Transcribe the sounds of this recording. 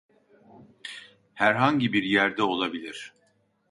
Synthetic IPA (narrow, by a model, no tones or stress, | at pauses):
hæɾɦaɲɟibiɾjæɾd̪ɛo̞lˠabilʲiɾ̥